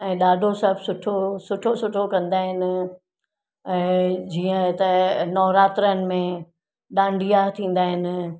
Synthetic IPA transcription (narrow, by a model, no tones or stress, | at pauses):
ɛ̃ːɗaːɖʱosɐbsʊʈʰosʊʈʰosʊʈʰokɐ̃nd̪aːɦɪnɪ̆ | ɛ̃ːd͡ʑiːə̃t̪ɐnɔːɾaːt̪ɾəənɪ̆mẽ | ɗãːɳɖʱijat̪ʰĩːn̆d̪aːɦɪnɪ̆